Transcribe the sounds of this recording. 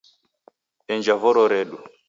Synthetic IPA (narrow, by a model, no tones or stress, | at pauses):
ɛɲd͡ʒavɔɾɔɾɛɗu